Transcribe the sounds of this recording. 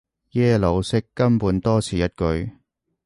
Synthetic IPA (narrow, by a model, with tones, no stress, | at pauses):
jɛː˥lo˨˧wsɪ˥kːɐ˥mpuː˨˧˥nt̪ɔː˥t͡sʰiː˨˧jɐ˥t̚kɵ˨˧ɥ